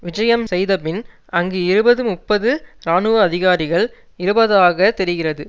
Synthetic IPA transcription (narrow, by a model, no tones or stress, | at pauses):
ʋɪd͡ʒɐjɐmsɛjðɐpɪn | ɐŋɡɯɪɾɯbɐðɯmʊpːɐðɯɾaːnɯʋɐːðɪɣaːɾɪɣɐɭ | ɪɾɯbɐðaːɣɐt̪ɛɾɪɣɪrɐðɯ